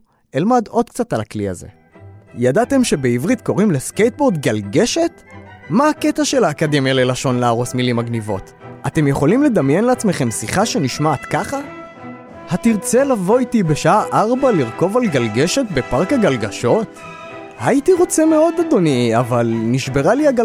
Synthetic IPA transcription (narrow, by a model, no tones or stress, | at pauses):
elmad̪o̞d̪̚kt͡sat̪alaklia̰ze̞̰ | jadat̪e̞mʃe̞be̞ivʁit̪ko̞ʁimle̞skejt̪̚bo̞ʁd̪ɡalɡe̞ʃe̞t̪maːke̞t̪aʃe̞laːkad̪e̞mjalelaʃo̞nleaʁo̞smilimaɡnivo̞̰t̪ | at̪e̞mjeχo̞limle̞d̪amjenleat͡sme̞χe̞msiχaʃe̞niʃmaːt̪kaχa | hatiʁt͡se̞lavo̞itibe̞ʃaaʔaʁbaliʁko̞valɡalɡe̞ʃe̞tbe̞paʁkaɡalɡaʃo̞t | hait̪iʁo̞t͡seme̞o̞d̪ad̪o̞niavalniʃbeʁaliaɡ